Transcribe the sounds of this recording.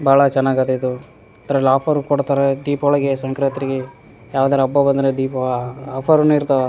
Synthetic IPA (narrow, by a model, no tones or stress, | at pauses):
baːɭɐt͡ʃɛnːaːɡɐt̪eid̪u | t̪ɐɾɐlaːpʰɐɾukoɽt̪aːɾed̪iːpɔɭɐɡesɐŋkɾet̪ɾiɡe | jaːʋd̪aːɾɐɐbːɐbɐnd̪ɾed̪iːpɐaːpʰɐɾnuiɾt̪ɐʋe